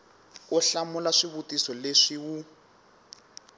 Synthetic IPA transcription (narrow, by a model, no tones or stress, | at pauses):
uɬamulaʂiβutisɔleʂiwu